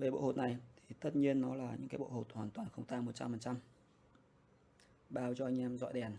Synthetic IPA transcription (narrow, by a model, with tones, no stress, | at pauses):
ve˨˩ɓo̰˧˨ho˨˩t̚na˨˩jt̪ʰi˨˩t̪ə˦˥t̚ɲi˧ənːɔ˨˦laː˨˩ɲɨ̰˧˥kaː˨˦jɓo̰˧˨ho˨˩t̚hwaː˨˩nt̪waː˨˩nxə˧wŋ͡mt̪aː˧ŋmo˨˩t̚t͡ɕa˧mfə˨˩nt͡ɕa˧m | ɓaː˧wt͡ɕɔ˧ʔa˧jŋ̟ʔɛ˧mzɔ̰˧˨jɗɛ˨˩n